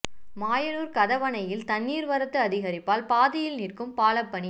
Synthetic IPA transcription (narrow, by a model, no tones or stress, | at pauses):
maːjɐnuːɾkɐðɐʋɐnɐjɪlt̪ɐnːiːɾʋɐɾɐt̪ːɯɐðɪɣɐɾɪpːaːlpaːðɪjɪlniːrkɯmpaːlɐpːɐɳi